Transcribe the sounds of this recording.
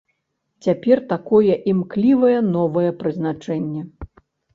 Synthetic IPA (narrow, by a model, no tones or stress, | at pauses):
t͡sʲapʲɛrt̪akɔjɛʔimklʲivɐjɛn̪ɔvɐjɛpɾɨznat͡ʂɛnʲːɛ